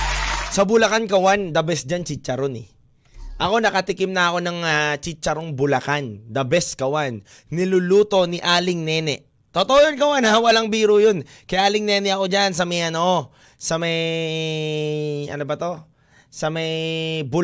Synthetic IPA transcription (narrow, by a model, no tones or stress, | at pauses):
sɐbʊlɐkankɐwand̪ɐbɛsd͡ʒant͡ʃɪt͡ʃːɐɾonɛ̰ | ʔɐko̞nɐkɐt̪ɪkɪmnɐɐko̞nɐŋat͡ʃɪt͡ʃːɐɾoŋbʊlɐkand̪ɐbɛskɐwanː | ɪlʊluːt̪o̞nɪʔaːlɪŋnɛnɛʔ | t̪ot̪oʔojonkɐwanawɐlaŋbiːɾʊjo̞n | kɐjʔaːlɪŋnɛːnɛʔɐko̞d͡ʒans̬ɐmɐjʔɐno̞ | sɐmɐj | ʔɐ̰nobɐt̪o̞ | sɐmɐjbʊ